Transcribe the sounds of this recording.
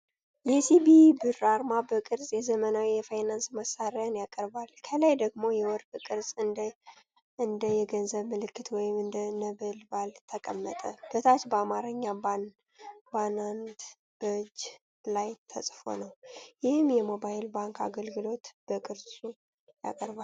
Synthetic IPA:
jɛsibibɨraɾmabəkʼɨɾzʼjɛzəmənawijɛfajnansməsaɾjanjakʼəɾbalkʰəlajd̪əɡmo̞jɛwɔɾkʼkʼɨɾzʼɨnd̪ | ɨnd̪əjɛɡənzəβmɨlɨkːɨt̪wɔjɪmɨnd̪ənəβəlbalt̪ʰəkʼəmːət̪ʼəb̥̪ət̪ʰat͡ʃbəamaɾɨɲːaban | banant̪ | b̥əd͡ʒ | lajt̪ʰə̰sʼfo̞̰nəwjɪhɨmjɛmo̞bajɪlbaŋkʰa̰ɡəlɡɨlo̞t̪b̥əkʼɨɾsʼu | ja̰kʼəɾbal

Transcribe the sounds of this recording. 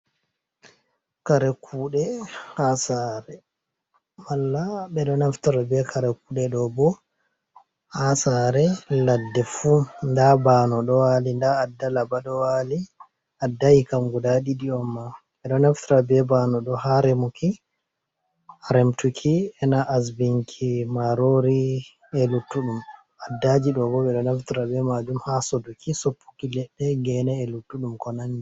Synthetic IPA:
kaɾɛkʰuːɗɛhasaɾɛ | malːaɓɛɗɔnaftaɾabɛkʰaɾɛkuːɗɛɗɔbɔ | hasaɾɛladːɛfundabanɔɗɔwalindaːdːalabaɗɔwali | adːajikamɡudaɗiɗiɔmːa | ɛɗɔnɛftɾabɛbanɔɗɔhaɾɛmukʰi | aɾɛmtukʰiɛnaʔas̬biŋkʰimaɾoɾi | ɛlutːuɗum | adːad͡ʒiɗɔɡɔbɛɗɔnɛftɾabɛmad͡ʒumhasodukʰisopːu̥kilɛɗːɛɡɛnɛːlutːuɗumkɔnandi

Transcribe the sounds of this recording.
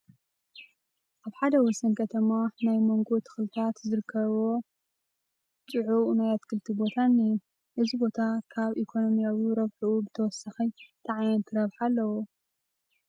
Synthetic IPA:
ʔaβħad̪ɐwɔsɐnkʰɐt̪ʰɐmanajmo̞ŋɡo̞t̪ʰɨ̥xlɨt̪ʰat̪zɨɾɨkʰːɐβwo̞ | t͡ʃʼɨʕunajat̪kʰɨlt̪ʰibo̞t̪ʰaniju | ʔɨzibo̞t̪ʰakʰaβʔikʰo̞no̞mijawiɾɐβħuʔubɨt̪ʰɐwɔsːɐxit̪ʰaʕajɐnt̪ʰɨɾɐβħalːɐwo

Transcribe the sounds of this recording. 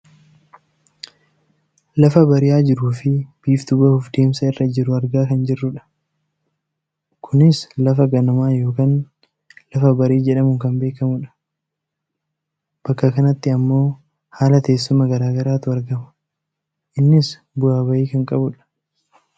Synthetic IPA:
lɐfɐbɐɾɪjaːd͡ʒɪɾuːfɪb̥iːft̪ʊbɐhʊfd̪e̞ːmsɐɪrːɐd͡ʒɪɾʊɐɾɡaːkɐnd͡ʒɪrːʊᶑɐ̥ | kʰʊnɪslɐfɐɡɐnɐmaːjo̞ːkaːn | lɐfɐbɐɾiːd͡ʒɛᶑɐmʊŋkɐmbe̞ːkɐmʊᶑɐ̥ | b̥ɐkːɐkɐnɐt̪ːɪɐmːo̞ː | haːlɐt̪e̞ːsːʊmɐɡɐɾaːɡɐɾaːt̪ʊɐɾɡɐmɐ̥ | ʔɪnːɪs | bʊaːbɐjiːkɐŋkʼɐbʊᶑɐ̥

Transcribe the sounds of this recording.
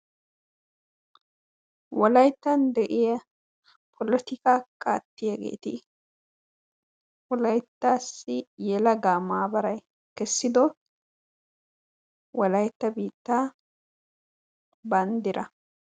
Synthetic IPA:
wɔlɐjt̪ːɐnd̪ɛʔɪjɐ | pʰɔlɔt̪ɪkaːkʼa̰ːt̪ːɪjɐɡḛːt̪ɪ | wɔlɐjt̪ːaːsːɪjɛlɐɡaːmaːbɐɾɐj | kɛsːɪd̪ɔ | wɔlɐjt̪ːɐbiːt̪ːaː | bɐnd̪ɪɾʔɐ

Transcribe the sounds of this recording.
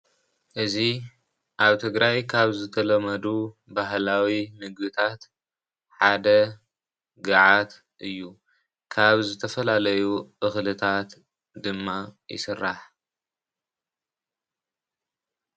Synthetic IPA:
ʔɨzi | ʔaβt̪ʰɨɡɾajkʰaβzɨt̪ʰɐlɐmɐd̪u | baɦlawimɨɡbɨt̪ʰat̪ | ħad̪ɐ | ɡɨʕat̪ | ʔɨjːu | kʰaβzɨt̪ʰɐfɐlalɐjuʔɨxlɨt̪ʰat̪ | d̪ɨmːajɪ̰sɨrːaħ

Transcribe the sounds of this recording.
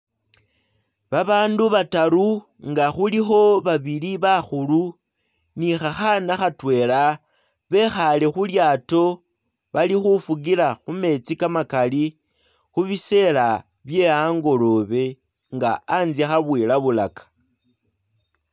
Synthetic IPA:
βaβaːnduβataɾu | ŋɡaxulixo̞βaβiliβaxulu | nixaxanaxatwe̞ːla | βe̞xalexuljaːto̞ | βalixufuɡilaxume̞t͡sikamakali | xuβise̞la | βje̞aŋɡo̞lo̞βe̞ | ŋɡa̰ːnzixaβwiːlaβulakḁ

